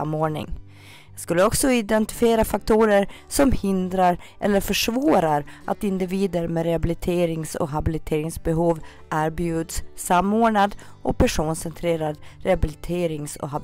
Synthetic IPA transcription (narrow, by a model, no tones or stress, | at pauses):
moːɳɪ̰ŋ | jɑɡskɵlːəɔksɔɪd̪ɛnt̪ɪ̥fɪeːɾafak̚t̪ʰuːɾəɾ | sɔmhɪnd̪ɾaɾʔɛ̰lːəɾfœʂvoːɾaɾʔa̰t̪ɪnd̪ɪviːd̪əɾmeɾɛhabɪlɪt̪ʰeːɾɪŋsɔ̰ɦabɪlɪt̪ʰeːɾɪŋsbɛɦuːv | ʔæːɾbjʉːd̪sːamːoːɳad̪ | ʔɔpʰæʂuːnsɛnt̪ʰɾeːɾad̪ɾɛhabɪlɪt̪ʰeːɾɪŋsɔ̰ɦab